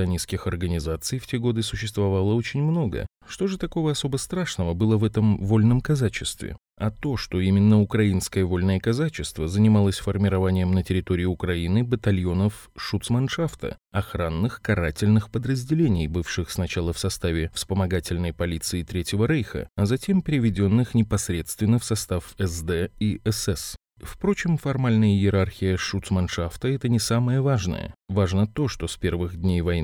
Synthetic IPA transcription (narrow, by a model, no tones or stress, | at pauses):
ɨɐnʲiskʲɪxɐrɡənʲɪzat̪sɨjftʲeɡo̞d̪ɨsʊɕːɪst̪vɐvalˠəo̞t͡ɕɪnʲmno̞ɡə̰ | ʂt̪o̞ʐɨt̪ɐko̞vəɐso̞bəst̪ɾaʂnəvəbɨlˠəvɛt̪əmvo̞lʲnəmkɐzat͡ɕɪst̪vʲɪ̰ | ɐt̪o̞ʂt̪o̞imʲɪnːəʊkɾɐinskəjəvo̞lʲnəjəkɐzat͡ɕɪst̪vəzənʲɪmalˠəsʲfərmʲɪɾɐvanʲɪjəmnətʲɪɾʲɪt̪o̞ɾʲɪɪʊkɾɐinɨbət̪ɐlʲjo̞nəf | ʂut̪smɐnʂaft̪ə̰ | ɐxɾanːɨxkɐɾatʲɪlʲnɨxpəd̪ɾəzʲdʲɪlʲenʲɪjbɨfʂɨxsnɐt͡ɕalˠəfsɐst̪avʲɪfspəmɐɡatʲɪlʲnəjpɐlʲit̪sɨːt̪ɾʲetʲjɪvəɾɛjxə̰ɐzɐtʲe̞mpʲɪɾʲɪvʲɪdʲo̞nːɨxnʲɪpɐsɾʲe̞t̪st̪vʲɪnːəfsɐst̪afɛzd̪ɛiɛsɛs | fpɾo̞t͡ɕɪmfɐrmalʲnəjəjɪɾarxʲɪjəʂut̪smɐnʂaft̪əɛt̪ənʲɪsaməjəvaʐnə̰jə̰vaʐnət̪o̞ʂt̪o̞spʲe̞rvɨɣdʲnʲejvɐj